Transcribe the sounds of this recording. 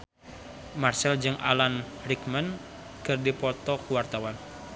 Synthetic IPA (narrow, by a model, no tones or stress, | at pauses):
marsɛld͡ʒɨŋʔa̰lan | ɾikmən | kɨrdipɔt̪ɔkuwart̪awan